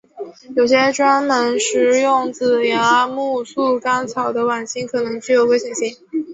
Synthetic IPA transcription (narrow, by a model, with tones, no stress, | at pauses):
jo˨˩ʊɕ̬jɛ˥ʈ͡ʂwa˥nnə˧˥nʂɻ̩˧˥jʊ˥˩ŋt͡sɹ̩˨˩ja˧˥mu˥˧su˥˩ka˥nt͡sʰɑ˨˩ʊd̪ə˦wa˨˩nɕi˥ŋkʰɤ˨˩nɤ˧˥ŋt͡ɕy˥˧jo˨˩ʊwe˥ɪɕjɛ˨˩nɕi˥ŋ